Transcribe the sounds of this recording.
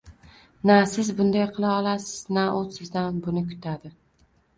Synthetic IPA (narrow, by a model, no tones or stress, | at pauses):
nasɪzbʊnd̪ajqʰɨlˠaɒlˠasɪznaʔot̪sɪzd̪anbʊnɪkʰʊ̥t̪ʰad̪ɪ